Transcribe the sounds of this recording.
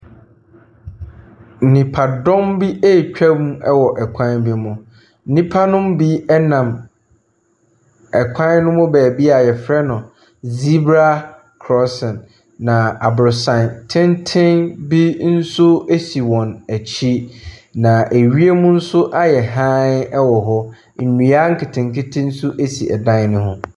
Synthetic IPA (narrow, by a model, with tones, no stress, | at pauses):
n̩˨nĩ˨pʰa˨dɔ̃˦mbi˦e˦˨t͡ɕᶣɛ˦mu˦ɛ˦wɔ˨ʔɛ˨kʷʰã˦nbi˦mʊ̃˨ | n̩˦nĩ˦pʰa˦nʊ̃˦mbi˦ɛ˦nã˨m | ɛ˨kʷʰã˦nnʊ̃˦mʊ̃˦bæː˨bi˦a˨jɛ˨fɾɛ˦nʊ̃˨ | zi˦bɾa˦ | kʰɾɔ˦sɛ̃˨nː | ã˨a˨bɾʊ˨sã˨ntʰɪ̃˦ntʰɪ̃˦nbi˦n̩˦sʊ˦e˦si˨wɔ̃˨næ˨t͡ɕʰi˦nã˨ʔe˨ɥi˦e˦mũ˦n̩˦sʊ˦ʔa˦jɛ˨ɦã˦ɛ˦wɔ˨ɦɔ˦ | n̩˨nũ˨a˦ŋ̩˦kʰɪ˨tʰɪ̃˨ŋ˨kɪ˦tʰɪ̃˦n̩˦sʊ˦ʔe˦si˨ʔɛ̰˨dã˦nʊ̃˦hʊ̃˦